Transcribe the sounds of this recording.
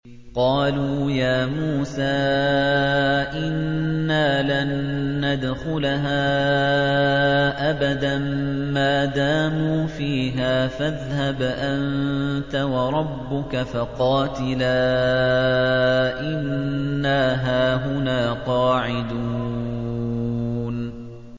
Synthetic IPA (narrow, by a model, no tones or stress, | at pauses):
qɑːluːjaːmuːsaː | ʔɪnːaːlanːad̪xʊlaɦaː | ʔabad̪ammaːd̪aːmuːfiːɦaːfaðhabʔant̪awɑɾˤɑbːʊkafaqɑːt̪ɪlaː | ʔɪnːaːɦaːɦʊnaːqɑːʕɪd̪uː | n